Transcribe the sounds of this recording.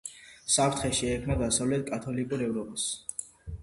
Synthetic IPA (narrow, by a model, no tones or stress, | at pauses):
sapʰɾt̪ʰχɛʃiɛkʰmnad̪asavlɛt̪̚ʰkʼat̪ʰɔlikʼuɾɛvɾɔpʼas